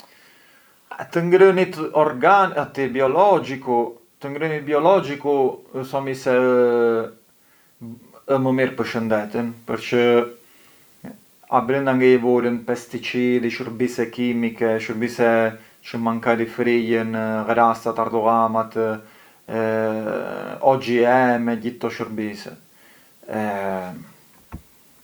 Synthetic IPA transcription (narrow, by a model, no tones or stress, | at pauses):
at̪əŋɡɾənit̪ɔɾɡanat̪ibiɔlɔd͡ʒiku | t̪əŋɡɾənit̪̚biɔlɔd͡ʒikuəsɔmisɛ | əməmiɾpəɾʃənd̪ɛt̪ənpəɾt͡ʃə | a̰bɾənd̪aŋɡɛjəvɔlənpɛst̪it͡ʃiðiʃəɾbisɛkimikɛʃəɾbisɛ | t͡ʃəmaŋkad̪ifɾijənɣɾast̪at̪aɾd̪ɔɣamat̪ | ɔd͡ʒiɛmɛɟit̪ːɔʃəɾbisɛ̰ | ɛ